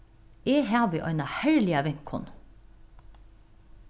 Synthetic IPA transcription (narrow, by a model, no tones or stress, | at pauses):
eːɦæːbiʔœ̰ʏnɑhɛɹlɪɑʋɪŋkʰʊ̰n